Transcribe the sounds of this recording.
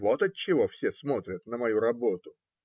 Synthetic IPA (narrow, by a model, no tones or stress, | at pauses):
vot̪ət̚t͡ɕːɪvo̞fsʲesmo̞t̪ɾʲət̪nəmɐjuɾɐbo̞t̪ʊ